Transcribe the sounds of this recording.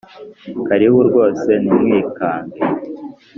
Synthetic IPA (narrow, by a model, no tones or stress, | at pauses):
kaɾihuɾɡo̞ːse̞nimŋiːkaːmbe